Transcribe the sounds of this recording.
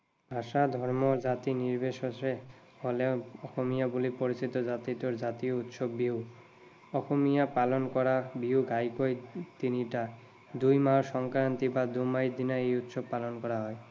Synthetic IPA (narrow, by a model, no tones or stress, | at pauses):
bʱaʃad̪ʱɔɾmoɾd͡ʑat̪iniɾbeʃoʃe | holeɔxʰomijabulipoɾit͡ɕit̪od͡ʑat̪it̪oɾd͡ʑat̪iout̪ʃobːiu | ɔxʰomijapalonkɔɾabiuɡʱajkojt̪iniʈa | d̪ujmaʃɔŋkɾant̪ibad̪umajd̪inaejut̪ʃobpːalonkɔɾaɦɔe